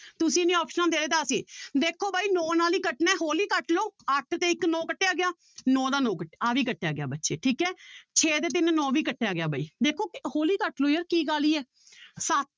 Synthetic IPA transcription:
t̪ʊsĩːnĩːɔːpʃənãːd̪eːleːt̪ãːəsĩːd̪eːkʰoːbaːiːnɔːnaːliːkəʈnɛ̃ːɦoːliːkəʈloːəʈʰt̪eːɪknɔ̃ːkəʈːeːaːɡɪjaː | nɔ̃ːd̪aːnɔ̃ːkəʈːeːaːʋiːkəʈːejaːɡɪja̰ːbətːʃeːʈʰiːkɛːt͡ʃʰeːd̪eːt̪̬ɪnːɔ̃ːʋiːkəʈʰːeːaːɡɪjaːbaːiːd̪eːkʰoːhoːliːkəʈloːjəːɾkiːkaːliːɛː | sət̪̚

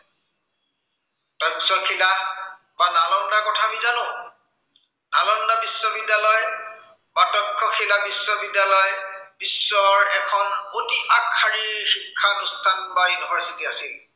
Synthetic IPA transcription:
tɔksɔkʰila | banalɔndakɔtʰabizanʊ̃ | nalɔndabisːɔbidːalɔj | batɔkʰːɔkʰilabisːɔbidːalɔjb̥isːɔɹɛkʰɔnotiakʰːaɹiɹxikʰːanʊstʰanbajunibʱaɹsitiasil

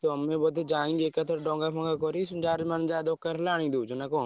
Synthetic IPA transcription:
t̪oəmẽːbod̪d͡ʒaːĩːŋɡeːkət̪ʰəɾɖõːŋɡaːpʰəŋɡaːkoːɾiːsʊnd͡ʒaːɾmənd͡ʒaːd̪oːkːəɾlaːɽ̃ĩːd̪uːd͡ʒʊnaːkõː

